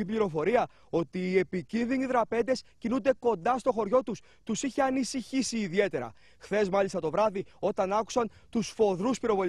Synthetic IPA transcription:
ipliɾo̞fo̞ɾiɐ | o̞t̪iːe̞picinðiniðɾɐpe̞nd̪e̞scinund̪e̞ko̞nd̪ɐst̪o̞xo̞ɾʝo̞t̪us | t̪usiçe̞ɐnisiçisiːðie̞t̪e̞ɾɐ̰ | xθe̞zmɐlist̪ɐt̪o̞vɾɐðio̞t̪ɐnɐku̥sɐn | t̪usfo̞ðɾuspiɾo̞vo̞l

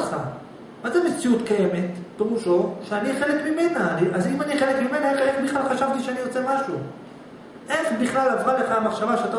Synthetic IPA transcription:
χa | mazemet͡siutkaje̞me̞tb̥eʁuʃo̞ʃeaniχe̞lekmime̞naniazimaniχelekmime̞naeχeχbiχlalχaʃavt̪iʃeanijot͡semaʃu | ʔe̞χbiχlalavʁaleχaamaχʃavaʃeat̪a

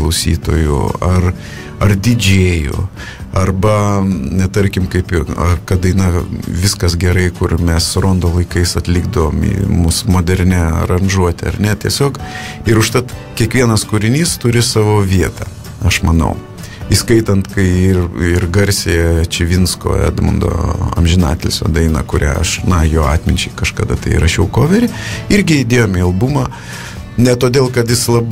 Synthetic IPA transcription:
lˠɐʊsʲḭːt̪o̰ːjʊ̰ɐr | ɐrd̪ʲɪd͡ʒʲeːjo̰ | ɐrbɐnʲɛt̪ɐɾʲkʲɪmkɐɪpɪɐkɐt̪ɐɪnɐʋʲɪskɐsɡʲɛɾɐɪkʊrmʲɛsɾoːnd̪oːlˠɐɪkɐɪsɐt̪ʲlʲɪɡd̪ɐʋoːmḭːmusmoːd̪ʲɛɾʲnʲɛɾɐnʒuɔt̪ʲɛ̰ɐ̰ɾnʲɛt̪ʲiɛsʲoːkɪɾʊʃt̪ɐt̪kʲiɛkʋʲiɛnɐskʊɾʲɪnʲiːst̪ʊɾʲɪsɑːʋoːʋʲiɛt̪ɑ̰ː | ɐʃmɐnɐ̰ʊ | iskɐɪt̪ɐnt̪kɐɪɪrɪrɡɐɾʲsʲejɛt͡ʃʲɪʋʲɪnsko̰ːɛ̰ːd̪mʊ̰nd̪o̰ːɐ̰mʲʒʲɪnɑ̰ːt̪ʲelʲsʲo̰ːd̪ɐɪnɐ̰kʊɾʲæ̰ːɐ̰ʃnɐjoːɑːt̪ʲmʲɪnʲt͡ʃʲɛɪkɐʃkɐ̰d̪ɐt̪ɐɪɾɐʃʲɛʊkoːʋʲɛɾʲɪɪɾʲɡʲɪɪd̪ʲeːjoːmiɐlˠbumɑː | nʲɛt̪oːd̪ʲeːlˠkɐt̪jɪslˠɐb

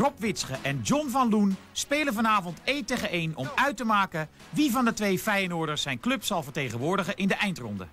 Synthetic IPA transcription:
rɔpʋɪtsχəʔɛnd͡ʒɔnvɑnlun | speːləvɑnaːvɔntejteχəejnɔmœɥtəmaːkə | ʋivɑndətʋejfɛjənʊːɹdəɹsɛjnklɵpsɑlˠvəɹtejχənʋʊːɹdəχəʔɪndəʔɛjntrɔ̰ndə̰

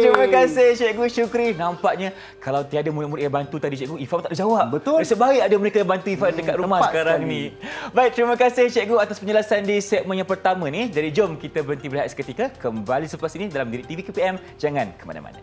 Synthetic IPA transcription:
t̪ɾimə̃kasɪht͡ʃɛʔɡuʃukɾihnampaʔɲã | kalawt̪iadamuɾiʔmuɾɪʔjabant̪ut̪adit͡ʃɛʔɡuifamt̪aʔdəd͡ʒawap̚bət̪ʊəsəbaiadaməɾekabant̪uifadəkat̪̚ɾumahsəkaɾaŋnibaik̚t̪ɾimə̃kasɪht͡ʃɛʔɡuat̪aspəɲd͡ʒəlasandisɛʔ̚mənjaŋpərt̪amə̃nidaɾid͡ʒomkit̪abəɾənt̪ibəɾiɦat̪̚sə̥kət̪ikakəmbalisəpasinidalamdiɾiʔt̪ivikupiɛm | d͡ʒaŋãnkəma̰na̰ma̰na

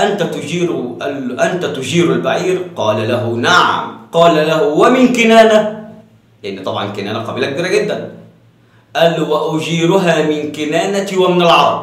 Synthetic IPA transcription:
ʔant̪æt̪ʊd͡ʒiːɾʔælʔænt̪æt̪ʊd͡ʒiːɾalbaʕiːɾqɑːlalaɦʊnaʕa̰mqɑːlælæɦʊwamɪnkɪnæːna | lɪʔɪnːit̪ˤɑbʕɑ̰nkɪnæːnaqɑbiːlak̚biːɾæɡɪd̪ːæn | ʔælːuwaʔʊd͡ʒiːɾʊɦaːmɪnkɪnæːnat̪iwamɪnalʕɑɾˤb

